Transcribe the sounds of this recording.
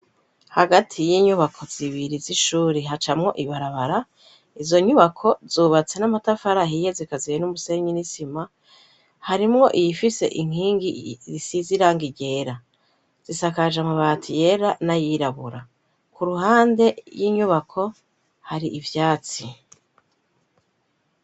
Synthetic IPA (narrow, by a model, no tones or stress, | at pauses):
haɡatʰijiːɲuβakʰo̞z̥iβiɾiziʃuːɾeɦat͡ʃamŋo̞̰ʔiβaɾaβaɾa | izo̞ɲuβakʰo̞zuːβat͡se̞namatafaɾaɦijezikazijenumuse̞ɲinisima | haɾimŋo̞ʔijifise̞̰ʔiŋ̥hiːŋɡizisiziɾaŋɡiɟe̞ːɾa | z̥isakaʒamuβatʰije̞ɾanajiɾaβuɾa̰ | kʰuɾuɦaːnde̞jiːɲuβakʰo̞ | haɾiʔivjaːt͡si